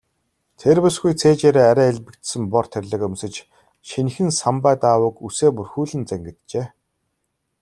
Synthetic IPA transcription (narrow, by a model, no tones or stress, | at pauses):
t̪ʰerpʊsɡujt͡sʰeːt͡ɕeːɾeːæɾʲæːeɮpɘ̆kt̪sɘ̆mpɔr̥t̪ʰerʲɮɘ̆kɵmsɘ̆t͡ɕ | ʃinxɘ̆nsampæːt̪aːwə̆kuseːpurxuːɮɘ̆nt͡sæŋɡɘ̆t̪t͡ɕeː